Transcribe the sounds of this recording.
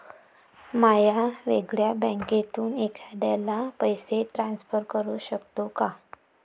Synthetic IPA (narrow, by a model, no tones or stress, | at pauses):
majaʋeɡɭjabə̃ŋket̪uːnekʰad̪alapəjsetɾãnsfəɾkəɾuːɕəkt̪oka